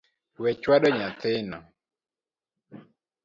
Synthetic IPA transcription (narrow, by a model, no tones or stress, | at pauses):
wɛt͡ʃwaɗɔɲat̪ɪnɔ